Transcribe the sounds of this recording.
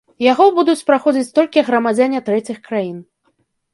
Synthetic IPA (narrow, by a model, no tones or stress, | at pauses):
jaɣɔbud̪ut͡sʲpɾaxɔd͡zʲit͡sʲt̪ɔlʲkʲiɣɾɐmad͡zʲanʲɛt̪ɾɛt͡sʲixkɾajin